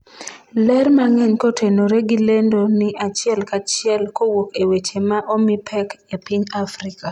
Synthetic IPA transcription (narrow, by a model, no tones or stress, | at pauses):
lɛrmaŋɛɲkotʰenoɾeɡilendonɪat͡ʃɪɛlkat͡ʃɪɛlkowokewet͡ʃemaʔomipʰɛkepiɲafɾika